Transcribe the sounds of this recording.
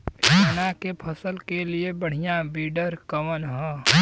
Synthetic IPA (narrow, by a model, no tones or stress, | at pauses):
ənakepʰəsəlkeliebəɽ̤ijãbiːɖəɾkəʋənɦɛ̃ː